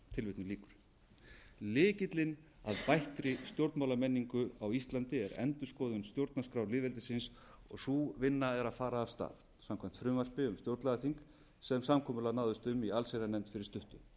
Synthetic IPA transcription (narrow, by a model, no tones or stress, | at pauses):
t̪ʰɪlvɪt̪nʏliːkʏɾ̥ | lɪːcɪt̪lɪn | a̰ðpajht̪ɾɪst̪jowɾt̪mawlamɛnːiŋkʏawist̪lant̪ɪɛɾɛ̰nt̪ʏ̥skɔːðʏnst̪jowɾt̪naskɾawɾlɪːvɛlt̪ɪsɪns | ɔɣsuvɪnːaɛɾaðfaːɾaːv̥st̪a̰ːð | samkʰɛm̥t̪fɾʏːmvar̥pɪʏmst̪jowɾt̪laðθiŋk | sɛmsamkʰɔːmʏlanaːwðʏst̪ʏmialseɾanɛmt̪fɪɾɪɾ̥st̪ʏht̪ʏ